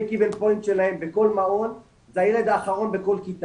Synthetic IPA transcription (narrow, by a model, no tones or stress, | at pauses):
kivelpojint̪ʃelahembeko̞lmao̞n | zajeled̪aːχaʁo̞nbeko̞lkit̪a